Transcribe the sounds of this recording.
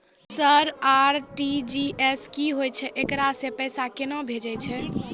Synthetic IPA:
səɾaɾʈid͡ʒieskiɦojt͡ʃʰɛʔekɾasepɛjsakenɔbʱed͡ʒɛjt͡ʃʰɛ

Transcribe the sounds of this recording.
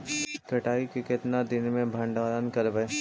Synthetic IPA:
kɐʈaːikekɪt̪nad̪ɪnmẽbʱɐ̃ɳɖaːɾənkɐɾbɛ

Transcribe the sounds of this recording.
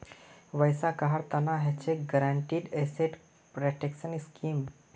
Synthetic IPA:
ʋəjsakaɦaɽt̪ɐnaɦet͡ɕeɡəɾaɳʈiːɖeseʈ | pɾeʈekʃəniskiːm

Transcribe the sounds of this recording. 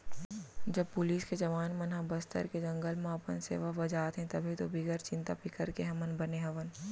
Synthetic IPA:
d͡ʒɐb̚pʊliːsked͡ʒɐʋaːnmɐnɦãbɐst̪ə̰ɾked͡ʒɐ̃ŋɡəlmãːpənsḛːʋabɐd͡ʒaːt̪ɦɛ̃t̪ɐbʱit̪obʱɪɡəɾt͡ʃɪ̃nt̪a̰pɪkʰəɾkeɦɐ̃mənbɐneɦɐʋən

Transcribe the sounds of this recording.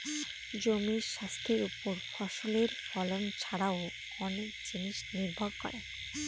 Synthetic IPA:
d͡ʑomiʃast̪ʰeɾupoɾfʰɔʃoleɾfɔlont͡ɕʰaɽao | ɔnek̚d͡ʑiniʃniɾbʱoɡkɔ̰ɾe

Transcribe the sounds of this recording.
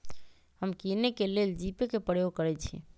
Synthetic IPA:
həmkinekeleld͡ʒipekepəɽjoɡ̚kəɾɛt͡ʃʰḭ

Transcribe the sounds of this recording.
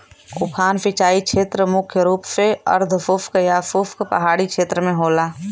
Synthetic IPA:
kʊpʰaːnpɪt͡ʃaːikʃʰeːt̪ɾəmʊkʰjəɾuːpseɐ̰ɾd̪ʱfʊpʰkjafʊpʰkpə̰ɦaːɽikʃeːt̪ɾəmẽɦoːlaː

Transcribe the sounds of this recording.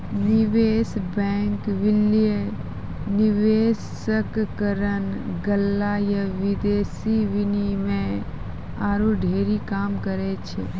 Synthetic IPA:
niʋeːsbɛ̃ːŋkʋɪlie | niʋeːs | əkkəɾənɡəlːajaʋɪd̪eːsiʋɪnimẽ | aːɾuɖʱeːɾikaːmkəɾet͡ʃʰḛ

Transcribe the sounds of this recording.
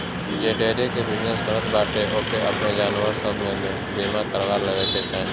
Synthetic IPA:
d͡ʒeːʈeːɾekebɪd͡ʒnesbəɾət̪baːʈeʔoːkeʔɐpned͡ʒaːnʋəɾsəbʱmẽme | biːmãkəɾʋaːɾləʋeːt̪ʰet̪ʰɛ̃ː

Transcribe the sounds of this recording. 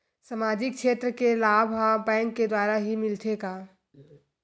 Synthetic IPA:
səmaːd͡ʒɪkʃʰeːt̪ɾəkelaːbʱɦabɛ̃ːŋkːed̪waːɾaɦimɪlt̪ʰeɡaː

